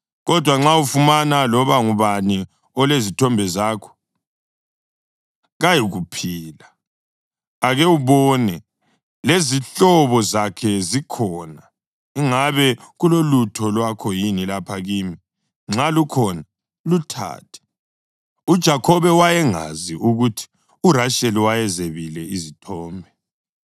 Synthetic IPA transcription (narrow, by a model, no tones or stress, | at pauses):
ɣɔd̥ʱwaŋ͡ǁaufumanalɔβaŋuβani | ɔlezitʰɔmbʱɛzaːkʰɔ̥ | ɣajiɣupʰiːla | aɣɛuβɔnɛ | leziɬɔβɔzakʰɛzikʰɔna | iŋaβɛɣulolutʰɔlwakʰɔjinilapʰaɣiːmi | ŋ͡ǁalukʰɔna | lutʰa̰ːtʰɛ̥ | ud̥ʒ̥ʱakʰɔβɛwajɛŋa̰ziʔuɣutʰi̥ | uɾaʃeliwajɛzeβilɛizitʰɔːmbʱɛ